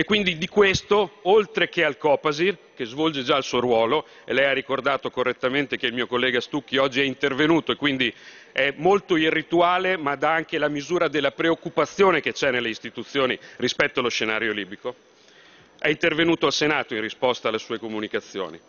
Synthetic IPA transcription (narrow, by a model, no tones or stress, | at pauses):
ekːwind̪id̪ikwest̪oolt̪ɾek̟ealkɔːpazirkezvɔld͡ʒed͡ʒailsuoɾwɔːlo | elɛjarːikord̪aːt̪okorːet̪ːament̪ek̟eilmiːokolːɛːɡast̪ukːiɔd͡ʒːiɛint̪ervenuːt̪oekːwind̪i | ɛmolt̪oirːit̪uaːlemad̪aaŋkelamizuːɾad̪elːapɾeokːupat̪sːjoːnek̟et͡ʃɛnelːeist̪it̪ut̪sːjoːnirispɛt̪ːoalosʃenaːɾjoliːbiko | ɛint̪ervenuːt̪oalsenaːt̪oinrispɔst̪aːlːesuːekomunikat̪sːjo̰ːnḭ